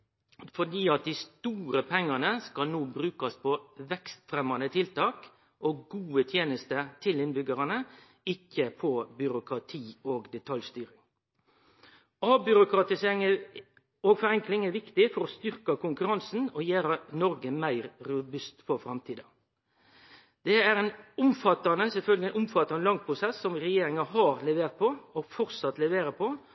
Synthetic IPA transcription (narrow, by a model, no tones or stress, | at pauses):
fɔɖiːɑt̪̚d̪ɪst̪uːɾəpʰɛŋːɑnəskɑlnoːbɾʉːkɑspʰɔʋɛkst̪fɾɛmɑnət̪ʰɪlt̪ɑːk | ʔoːɡuːət̪ʰjeːnəst̪ət̪ʰɪlɪnbʏɡəɾɑnə | ɪkːəpʰɔbʏɾʊkɾɑt̪ʰiːoːɡd̪ɛt̪ʰɑljst̪yːɾɪŋ | ɑːbʏɾʊkɾɑt̪ɪseːɾɪŋə | oːɡfɔɾɛŋklɪŋæʋɪkt̪ɪfɔɾɔst̪ʏɾkɑkʊŋkʉɾɑnsn̩ɔjeːɾənɔɾɡəmæɪɾɾʊbʉst̪fɔɾfɾɑmt̪ʰiːd̪ɑ | d̪̥ɛæɾɛnʊmfɑt̪ːɑnəsɛlfœlɡəlɪɛnʊmfɑt̪ːɑnəlɑŋpʰɾʊsɛsːɔmɾɛjeːɾɪŋɑɦɑɾlɛʋeːʁt̪̚pʰɔɔɡfɔɾsɑt̪lɛʋeːɾəpʰɔ